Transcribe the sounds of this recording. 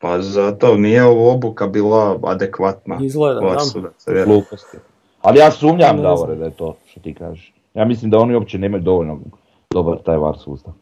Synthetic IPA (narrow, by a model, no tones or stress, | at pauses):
pazat̪onijeoʋobukabiːlaa̰d̪ekʋat̪naizleʋaɾsuːd̪aseʋjeɡlˠuːpost̪i | alijaːsumɲaamd̪aʋoɾed̪ajet̪oːʃt̪ot̪iːka̰ːʒeʃ | jaːmislimd̪ao̞nio̞pt͡ɕeneːmajud̪o̞ʋoʎno | d̪o̞baɾt̪aːjʋa̰ːɾsṵːst̪aʋ